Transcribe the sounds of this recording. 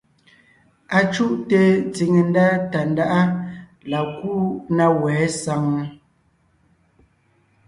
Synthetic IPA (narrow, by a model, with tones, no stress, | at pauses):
a˨t͡ʃu˦ʔte˨t͡si˨ŋe˨n˦da˦ta˨n˦da˦ʔa˦ | la˨ku˦na˦wɛː˨˦sa˨˦ŋ˦